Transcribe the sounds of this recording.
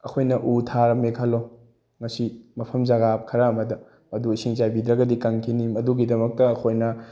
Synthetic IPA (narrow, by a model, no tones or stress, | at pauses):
ɐ̰kʰojnɐʔutʰaɾɐmekʰalo | ŋɐsimɐpʰɐmzaɡap̚kʰɐɾaɐmɐdɐ | mɐduɐsiŋzajbidɾɐɡɐdikɐŋkʰinimɐduɡidɐmɐk̚tɐɐkʰojnɐ